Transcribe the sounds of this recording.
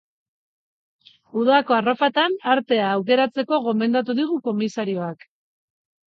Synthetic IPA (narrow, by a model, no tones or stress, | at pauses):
uðako̞arofat̪anaɾt̪e̞aːwke̞ɾat͡se̞ko̞ɣo̞me̞nd̪at̪uðiɣuko̞misaɾio̞ak